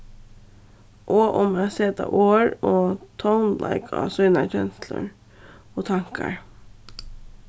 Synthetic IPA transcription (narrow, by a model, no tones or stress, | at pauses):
ʔoːʔʊmseːt̪ɑ̰ʔoːɹoːt̪ʰoʊnlʔa̰ɪkʰɑsœʏnɑc͡çɛnslə̰ɹ | oːt̪ʰɑŋkaɹ